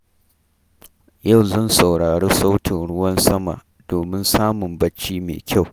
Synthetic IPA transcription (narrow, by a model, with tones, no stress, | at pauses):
ja˦˨wzɐ˦˨nsa˨wɽaː˨ɽeː˦sa˦wtʰɪ˨nɽʊ˦wɐ˦nsɐ˦ma̰˨ʔ | doː˨mɪ˦nsaː˦mʊ˨mbɐ˦t͡ʃːiː˦mḛ˨kʲa˦˨w